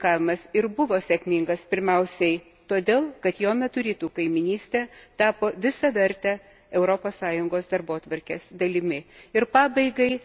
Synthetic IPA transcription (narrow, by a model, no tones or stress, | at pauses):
kɑːʋʲɪmɐsɪɾbʊʋoːsʲɛkʲmʲiːŋɡɐspʲɪɾʲmʲɛʊsʲɛɪ | t̪oːd̪ʲeːlˠkɐt̪joːmʲɛt̪ʊɾʲiːt̪uːkɐɪmʲɪnʲiːsʲt̪ʲɛːt̪ɑːpoːʋʲɪsɐʋʲɛɾʲt̪ʲɛ | ɛʊɾopoːssɑːjʊŋɡoːsd̪ɐɾboːt̪ʋɐɾʲkʲeːsd̪ɐlʲɪmʲɪɪɾpɑːbɐɪɡɐɪ